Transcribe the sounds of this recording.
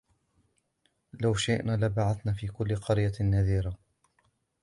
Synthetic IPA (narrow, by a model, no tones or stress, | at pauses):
lawʃɪʔnaːlabaʕaθnaːfiːkʊlːqɑɾjanːaðiːɾa